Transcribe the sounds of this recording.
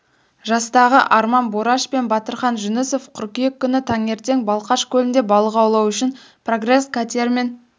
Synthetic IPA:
ʒɑst̪ɑʁəʔɑɾmɑnboɾɑʃpe̞nbɑt̪əɾχɑnʒʏnɪsofqʰʊɾkʲijekʲːʏnɪt̪ʰɑŋe̞ɾt̪e̞ŋbɑlˠqɑʃkʲʰɵlɪnd̪e̞bɑlˠəqɑwlˠɑwʏʃɪn | pʰro̞ɡre̞skʰat̪ʲeɾme̞n

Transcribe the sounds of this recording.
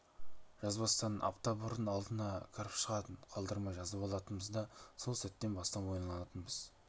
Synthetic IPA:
ʒ̥ɑzbɑst̪ɑnənʔɑ̰ft̪ɑbʊɾənɑlˠd̪ənɑkʲʰɪɾɪpʃəʁɑt̪əɴqʰɑlˠd̪əɾmɑjʒɑzɑpɑlˠɑt̪ənbəzd̪ɑso̞lˠsæt̪ːe̞nbɑst̪ɑpwo̞jənɑlˠɑnɑt̪ənbɪz̥

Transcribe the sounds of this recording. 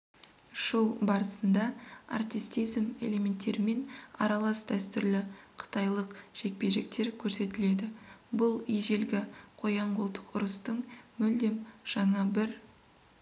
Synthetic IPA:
ʃowbɑɾəsənd̪ɑa̰rt̪ist̪ijzme̞̰le̞mʲe̞nt̪ːe̞ɾɪme̞nɑ̰ɾɑlˠɑsd̪æst̪ʏɾlɪqʰə̥t̪ɑjlˠəqʒ̥e̞k̚pe̞ʒe̞k̚t̪e̞ɾkʲʰɵɾse̞t̪ɪle̞d̪ɪbʊlˠijʒe̞lɡʲɪqʰo̞jɑɴqʊlˠt̪ə̥qʊɾəst̪əɴmɵld̪e̞mʒ̥ɑɴɑbɪɾ

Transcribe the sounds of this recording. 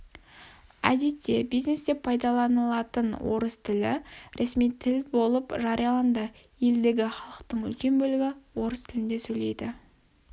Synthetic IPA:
æ̰d̪e̞t̪ːe̞bijzne̞st̪epʰɑjd̪ɑlˠɑnəlˠɑt̪ənwo̞̰ɾəst̪ʰɪlɪ̰ɾʔesmijt̪ʰɪlbo̞lˠəpʒɑɾijɑlˠɑnd̪ə | je̞ld̪e̞ɡʲɪχɑlˠəqt̪əɴʏ̰lkʲe̞nbɵlɪɡʲɪwo̞ɾəst̪ʰɪlɪnd̪esɵjle̞jd̪ɪ

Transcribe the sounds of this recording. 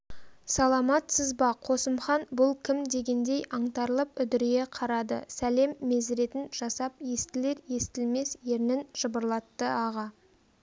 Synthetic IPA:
sɑlˠɑmɑt̪səzbɑqʰo̞səmχɑnbʊlˠkʲʰɪmd̪e̞ɡʲe̞nd̪e̞jʔɑɴt̪ɑɾlˠəpʏd̪ɪɾɡʲe̞qʰɑɾɑd̪ə̰sæle̞mːe̞zɾe̞t̪ɪnʒ̥ɑsɑp̚je̞st̪ɪle̞ɾje̞st̪ɪlme̞sje̞ɾnɪnʒ̥əbəɾlˠɑt̪ːəɑʁɑ

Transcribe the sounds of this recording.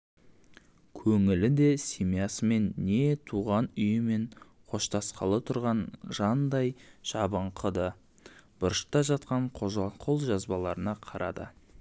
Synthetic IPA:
kʲʰɵŋɪlɪd̪e̞simijɑsəme̞nːe̞t̪ʰuʁɑnʏjɪme̞ɴ | qʰo̞ʃt̪ɑsqɑ̰lˠət̪ʰʊɾʁɑnʒ̥ɑnd̪ɑjʒ̥ɑbəɴqʰəd̪ə | bʊɾʃət̪ɑʒɑt̪̚qɑɴqʰo̞lˠʒɑzbɑlˠɑɾənɑqʰɑɾʔɑ̰d̪ə̰

